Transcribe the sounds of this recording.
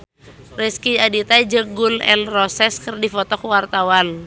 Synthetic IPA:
riskiadit̪ad͡ʒəɡunɛ̰nrɔsɛskərdifɔt̪ɔkəwart̪awan

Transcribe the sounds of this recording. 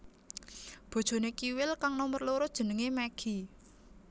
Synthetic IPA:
b̥o̤d̥ʒ̥o̤nekiwɪlkaŋnɔmərloɾod̥ʒ̥ə̤nəŋemɛɡ̥i̤

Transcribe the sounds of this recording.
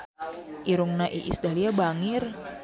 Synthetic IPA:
ʔiɾʊŋnaʔḭʔḭsdaliabaŋɪr

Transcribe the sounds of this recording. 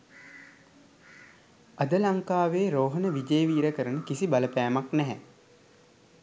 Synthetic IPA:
ad̪əlaŋkaːʋeːɾoːɦənəʋid͡ʒəjəʋiːɾəkəɾənəkisibaləpæːmaknɛɦɛ

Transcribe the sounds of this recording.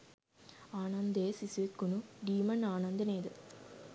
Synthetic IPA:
aːnɐnd̪eːsisʋekːunuɖiːmɐnaːnɐnd̪ɐneːd̪ɯ

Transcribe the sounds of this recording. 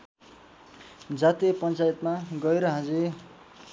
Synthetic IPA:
d͡zat̪ipʌnt͡sajt̪maɡʌeɾʌɦãd͡ze

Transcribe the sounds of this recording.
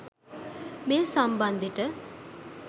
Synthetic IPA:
meːsɐmbɐnd̪ʱiʈə

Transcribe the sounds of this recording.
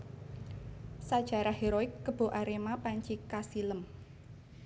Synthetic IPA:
sad̥ʒ̥a̤ɾaɦeɾoɪkːəb̥o̤ʔaɾemapaɲt͡ʃikasiləm

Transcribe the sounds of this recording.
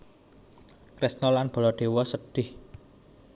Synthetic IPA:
kɾɪsnɔlanb̥ɔ̤lɔɖ̪̥e̤wɔsəɖ̥ɪh

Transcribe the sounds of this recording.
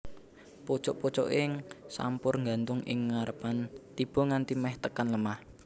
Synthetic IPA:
pot͡ʃɔʔpɔt͡ʃɔ̰ʔɪŋsa̰mpʊrŋɡant̪ʊŋɪ̰ŋːaɾəpant̪ib̥ɔ̤ŋant̪imɛht̪əkanləmah

